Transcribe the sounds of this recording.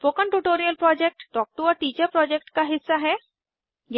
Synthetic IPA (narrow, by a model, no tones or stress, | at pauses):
poːkə̃ɳʈuːʈoːɾijəlpɾɔːd͡ʒek̚ʈːɔːk̚ʈuɔːɾʈiːt͡ʃəɾpɾɔːd͡ʒek̚ʈkaɦɪsːaɦɛː | j